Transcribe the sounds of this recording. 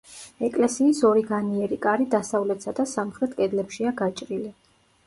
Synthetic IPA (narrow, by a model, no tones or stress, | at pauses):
ɛkʼlɛsiːsɔɾiɡaniɛɾikʼaɾid̪asavlɛt̪ʰsad̪asamχɾɛt̪ʼkʼɛd̪lɛpʃiaɡat͡ʃʼɾili